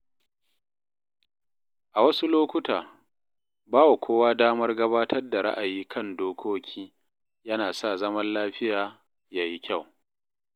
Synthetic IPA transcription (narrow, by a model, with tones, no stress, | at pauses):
ʔa˨wɐ˦su˦loː˦kʷʊ˦taː˨ | baː˦wa˨kʷoː˦waː˦daː˦mɐ˦rɡɐ˦baː˦tʰɐ˦rda˨ɾa̰˦ʔa˨jiː˦kʰɐ˦˨ndoː˦kʰʷoː˦kʲʰiː˦ | jɐ˦naː˨sa˦˨zɐ˦mɐ˦nlaː˦ɸɪ˦jaː˨ | jaː˦ji˦kʲa˦˨w